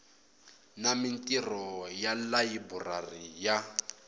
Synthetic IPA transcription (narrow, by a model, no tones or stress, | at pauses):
namintʼirɔjalajiburarija